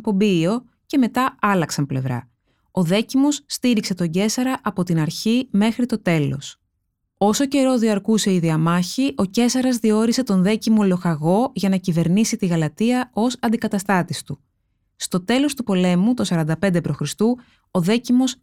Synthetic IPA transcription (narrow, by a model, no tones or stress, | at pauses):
po̞bio̞ | ce̞me̞t̪ɐɐlɐksɐmple̞̰vɾɐ̰ | o̞ðe̞cimo̞sːt̪iɾikse̞t̪o̞ɲɟe̞sɐɾɐʔɐpo̞t̪inɐɾçime̞xɾit̪o̞t̪e̞lo̞̰s | o̞so̞ce̞ɾo̞ðiɐɾkuse̞iðiɐmɐçiʔo̞ce̞sɐɾɐzðio̞ɾise̞t̪o̞nðe̞cimo̞lo̞xɐɣo̞ʝɐnɐcive̞ɾnisit̪iɣɐlɐt̪iɐo̞sɐnd̪ikɐt̪ɐst̪ɐt̪ist̪u | st̪o̞t̪e̞lo̞st̪upo̞le̞mut̪osɐɾɐnd̪ɐpe̞nd̪e̞pɾo̞xɾist̪u | o̞ðe̞cimo̞s